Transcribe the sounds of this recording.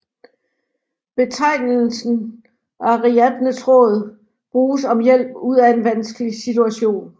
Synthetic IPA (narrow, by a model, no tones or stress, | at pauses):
b̥e̝t͡sʰɑ̈ɪ̰nl̩sn̩ | ʔæʁiæd̥nəsʁɔ̽ːð̞̩ˠ | b̥ʁuːsɒ̽mjel̰b̥uð̞̰ˠæe̝nʋænsɡ̥əlisit͡sʰuæɕo̝̰ːn